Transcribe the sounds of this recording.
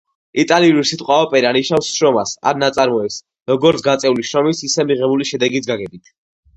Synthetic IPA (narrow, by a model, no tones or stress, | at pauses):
it̪ʼaliuɾsit̪ʼqʼwaɔpʼɛɾaniʃafsʃɾɔmasa̰ɾnat̪sʼaɾmɔɛps | ɾɔɡɔɾt̪ʰɡat̪sʼɛuliʃɾɔmisisɛmiʁɛbuliʃɛd̪ɛɡit̪ʰɡaɡɛbit̪ʰ